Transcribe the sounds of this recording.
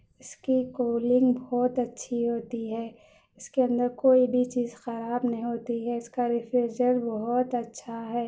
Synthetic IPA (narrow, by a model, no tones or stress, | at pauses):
ɪskikoːlɪ̃ŋɡbɔːt̪ɐtːʃʰiɦoːt̪iɦɛː | ɪskeɐ̃nd̪əɾkoːibʱit͡ʃiːzxɐɾaːbnɐɦĩɦoːt̪iɦɛɪskaɾɪfɾed͡ʒəɾbɔɦɔt̪ɐtːʃʰaɦɛː